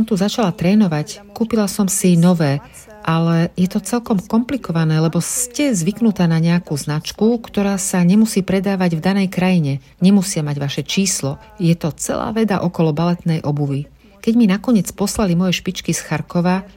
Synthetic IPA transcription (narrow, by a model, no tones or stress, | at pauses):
sɔmt̪uzat͡ʃalat̪ɾɛːnɔʋackuːpilasɔmsinɔʋɛː | ʔalɛjɛt̪ɔt͡sɛlkɔmkɔmplikɔʋanɛːlɛbɔscɛzʋiknut̪aːnaɲɛakuːznat͡ʃkukt̪ɔɾaːsaɲɛmusiːpɾɛd̪aːʋaɟvd̪anɛjkɾajiɲɛ | ɲɛmusɪamaɟʋaʃɛt͡ʃiːslɔ | jɛt̪ɔt͡sɛ̰la̰ːʋɛd̪a̰ʔɔkɔlɔbalɛt̪nɛjʔɔbuʋi | kɛɟminakɔɲɪɛt͡spɔslalimɔjɛʃpit͡ʃkisxaɾkɔʋa